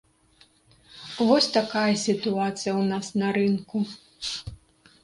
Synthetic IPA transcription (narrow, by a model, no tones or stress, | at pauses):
vɔsʲt̪akajɐsʲit̪uat̪sɨjɐwnasnɐɾɨnku